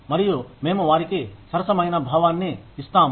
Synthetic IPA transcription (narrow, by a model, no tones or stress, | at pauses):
mɐɾijoːmẽːmɐʋaːɾikesɐɾsɐməjnaːbʱaːʋaːnːẽɪst̪aːm